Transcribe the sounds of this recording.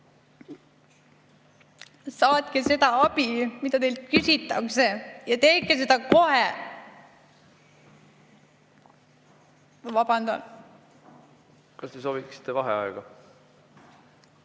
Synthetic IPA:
sɑːt̪ke̞se̞d̪̥ɑɑb̥imid̪ɑt̪elt̪̚kysit̪ːˑɑkse̞jɑt̪e̞ːkːese̞d̪ɑko̞he | vɑbɑnd̪̥ɑ̰n | kɑst̪esoːbiksi̥t̪ːevɑɦḛɑ̰eɡ̥ɑ

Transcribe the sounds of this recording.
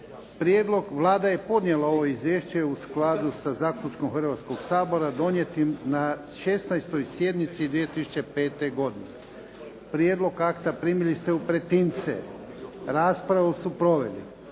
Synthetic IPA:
pɾjed̪lo̞ɡʋlˠaːd̪aje̞po̞d̪nje̞lˠao̞ʋoizʋjeːʃt͡ɕe̞usklad̪usazaːkʎʲut͡ʃko̞mxɾʋat̪sko̞ɡsaːbo̞ɾad̪o̞nje̞t̪imnaʃe̞st̪najst̪o̞jsje̞d̪nit̪sid̪ʋijet̪isu̥t͡ɕe̞pe̞ːt̪e̞ɡo̞d̪ine | pɾjeːd̪lo̞ɡakt̪apɾiːmilist̪eupɾe̞t̪int̪sḛ | ɾaːspɾaʋusupɾo̞ʋe̞̰lḭ

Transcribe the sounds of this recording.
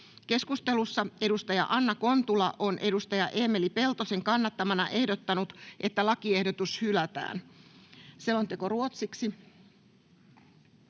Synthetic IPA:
ke̞skust̪e̞lusːɑe̞ɾust̪ɑjɑ̰ʔɑnːɑko̞nt̪ulɑʔo̞nʔe̞dust̪ɑjɑʔeːme̞lipe̞lt̪o̞seŋkɑnːɑt̪ːɑmɑnɑʔe̞hdot̪ːɑnut̪ʔe̞t̪ːælɑkiehdot̪ushylæt̪æ̰ːn | seont̪e̞ko̞ruot̪siksi

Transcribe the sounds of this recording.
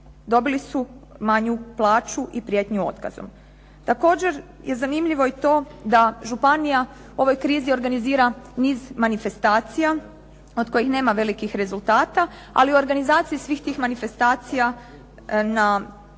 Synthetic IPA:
d̪o̞bilisumaɲuplˠaːt͡ʃuʔipɾje̞t̪ɲuo̞̰t̪ka̰zo̰m | t̪ako̞ːd͡ʑe̞ɾ | jʔe̞zanimʎiʋo̞it̪o̞ːd̪aʒupanija | uo̞ʋo̞jkɾiːzio̞ɾɡaniziːɾaniːzmanife̞st̪aːt̪sija | o̞d̪̚ko̞jixne̞ːmaʋe̞likixɾe̞zulˠt̪aːt̪a | a̰liuo̞ɾɡanizaːt̪siisʋiːxt̪iːxmanife̞st̪aːt̪sija | na

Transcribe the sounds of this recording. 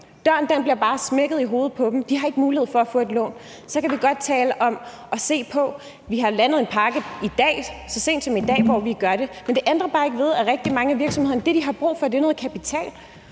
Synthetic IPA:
d̥ɶɐ̰nd̥ænb̥liɐb̥ɑ̈ːsmeɡ̥əð̩ˠiɦo̝ːð̞̩ˠpʰɒ̽b̥m̩d̥ihɑ̈e̝ɡ̥əmuːlie̝ð̞̰ˠfɒ̽æfɔ̰̽ːe̝d̥lɔ̰̽ːn | sɒ̽kʰæʋiɡ̥ɒ̽d̥̚t͡sʰɛːləʔɒ̽m | ʔɒ̽se̝̰ːpʰɒ̽ | ʋiɦɑ̈lænð̞̩ˠe̝npʰɑ̈ɡ̥əid̥ɛ̰ːsɒ̽se̝̰ːnd̥sɒ̽mid̥ɛ̰ːʋɒʋiɡ̥ɶɐɾe̝mend̥e̝ʔend̥ʁɐb̥ɑ̈ːe̝ɡ̥əʋe̝ð̞ˠæʁɛɡ̥̚d̥imɑ̈ŋəæʋiɐɡ̥sɒmhe̝ðˠɐnd̥ed̥iɦɑ̈b̥ʁṵːfɒ̽d̥enoːð̩ˠkʰæpit͡sʰɛ̰ːl

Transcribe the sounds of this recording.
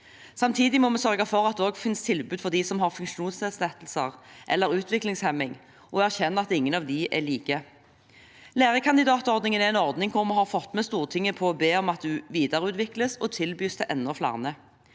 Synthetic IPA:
sɑmt̪ʰiːd̪ɪmɔmɛsœʁɡɑfɔʁɑt̪̚d̪ɛɔːɡfɪnst̪ʰɪlbʉːd̪fɔʁd̪iːsɔmɦɑʁfʉŋʂuːnsɛːslɛt̪l̩səʁʔɛ̰lːəɾʉːt̪ʋɪklɪŋshɛmːɪŋ | ʔɔæʁçɛnːəɑt̪ɪŋːənɑʋd̪ɪʔɛ̰liːkə | læːʁəkʰɑnd̪ɪd̪ɑːt̪ɔʁd̪nɪŋənɛɛɪnɔʁd̪nɪŋkʰʊɾmɛhɑʁfɔt̪mɛst̪uːʁt̪ʰɪŋːəpʰɔːbeːɔmɑt̪̚d̪ʉʋiːd̪ɑʁəʉːt̪ʋɪkləsɔt̪ʰɪlbyːst̪ʰɛʔɛnːɔflɑ̰ʁnə

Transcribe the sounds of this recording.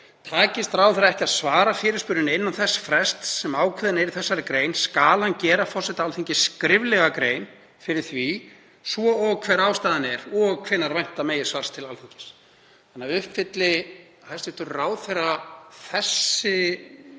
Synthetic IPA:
t̪ʰaːcɪst̪ɾaːwθɛɾaɛhcɪaðsvaːɾafɪːɾɪ̥spʏɾðɪnɪnːanθɛsːfɾɛst̪sɛmaːwkʰɛːðɪnɛɾɪθɛsːaɾɪkɾeːjnskaːlancɛːɾafɔrsɛt̪aalθiɲcɪskɾɪvlɛɣakɾeːjn | fɪɾɪɾ̥θvi | svɔɔɣkʰv̥ɛːɾaːwst̪aːðɪnɛɾɔɣkʰvɛnːaɾvajn̥t̪ameːjɪsvar̥st̪ʰːɪlalθiɲcɪ̥s | anːaʏhpfɪt̪lɪ | hast̪vɪht̪ʏɾraːwθɛɾaθɛsːɪ

